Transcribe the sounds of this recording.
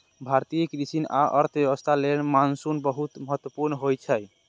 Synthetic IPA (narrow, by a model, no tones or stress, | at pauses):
bʱaɾt̪ijəkɾisina̰ʔə̰ɾt̪ʰbjəbəst̪ʰalenmansunbəɦut̪məɦət̪wəpuɾnɦojt͡ʃʰəj